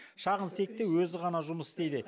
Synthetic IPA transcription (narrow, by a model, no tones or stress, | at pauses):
ʃɑʁənse̞k̚t̪ewwɵzɪʁɑnɑʒʊməsd̪e̞jd̪ɪ